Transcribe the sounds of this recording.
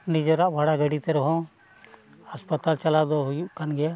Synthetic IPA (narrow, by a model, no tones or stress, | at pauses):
nid͡ʒɔɾaʔbʱaɽaɡəɽit̪ɛɾɔɦɔ̃ | haspat̪alt͡ʃalad̪ɔɦujuʔkanɡɛja